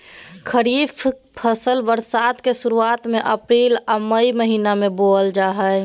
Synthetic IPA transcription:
kʰəɾiːpʰ | pʰəsəlbəɾsat̪kesuɾuaːt̪meʔəpɾiːləməiməɦiːnamẽboːld͡ʒaːɦɛ

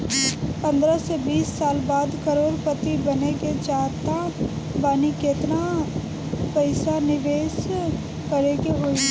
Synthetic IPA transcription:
pɐ̃nd̪ɾəsebiːsːaːlbaːd̪kɐɾoːɾpət̪ibɐneked͡ʒaːt̪a | baːnikeːt̪na | pəɪsanɪʋeːs | kɐɾeɡeɦoi

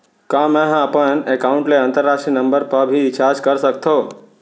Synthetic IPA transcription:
kãmɛ̃ɦaːpənekaʊ̃ɳʈleə̃nt̪əɾːaʃʈɾinəmbəɾpəɾbʱiɪt͡ʃaːd͡ʒkəɾsək̚t̪ʰo

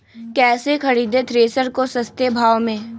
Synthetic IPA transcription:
kɛːsekʰɐɾiːd̪et̪ɾeːsəɾkosɐst̪ebʱaːʋmẽː

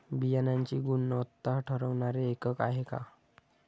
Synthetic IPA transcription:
bijanaɲt͡ɕiɡunːət̪ːaʈʰəɾəwnaɾeːkəkaɦeka̰

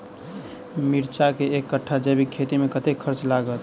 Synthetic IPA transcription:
miɾt͡ʃakeekːəʈʰːad͡ʒebikʰːet̪imekət̪ekkʰəɾt͡ʃlaɡət̪

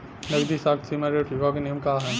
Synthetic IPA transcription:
nɐɡd̪isaːk̪̚simaːɾeʈjuɡakeneːmkaɦɛː

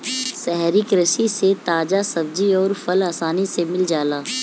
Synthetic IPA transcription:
sɛɦɾikɾəʃiset̪aːd͡ʒasɐbd͡ʒiɔːɾfʰɐlaːsaːnisemɪld͡ʒaːlaː

